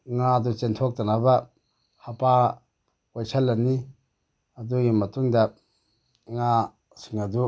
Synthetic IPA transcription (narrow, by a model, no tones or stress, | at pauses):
ŋad̪ut͡ʃent̪ʰɔk̚tɐnabɐ | hapa | kɔjsʰɐlːɐni | ɐd̪uɡimɐtuŋdɐ | ŋa | siŋɐd̪u